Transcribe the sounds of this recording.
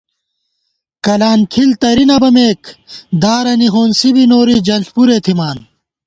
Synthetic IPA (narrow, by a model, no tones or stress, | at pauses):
kɐlaːnkʰilt̪ɐɾinɐbɐmeːkd̪aːɾɐniɦoːnsibinoːɾid͡ʑɐnɬpuɾeːt̪ʰimaːn